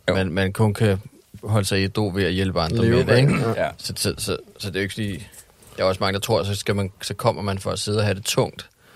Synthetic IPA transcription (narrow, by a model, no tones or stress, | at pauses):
menmænkʰɔ̽nkʰæ | ɦɒ̽ləsɑ̈ɪid̥o̝̰ːʋe̝æjelb̥əɑ̈nd̥ʁɐmed̥eɡ̥sɒ̽sɒ̽sɒ̽sɒ̽d̥e̝ʊe̝ɡ̥sɒlḭː | d̥ɑɒ̽smɑ̈ŋəd̥ɑ̈t͡sʰʁo̝ɐ̰sɒ̽sɡ̥æmænsɒ̽kʰɒ̽m̰ɐmænfɒ̽æse̝ð̞̩ˠɐɦæd̥e̝t͡sʰɔ̽ŋ̰d̥